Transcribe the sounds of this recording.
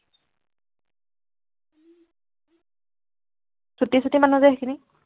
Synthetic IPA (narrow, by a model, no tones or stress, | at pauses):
sutisɔtimanuzɛɦkʰini